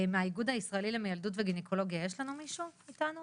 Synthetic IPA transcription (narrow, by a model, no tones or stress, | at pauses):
meaiɡud̪aisʁaelilemejald̪utveɡinekʰo̞lo̞ɡjajeʃlanumiʃuitanu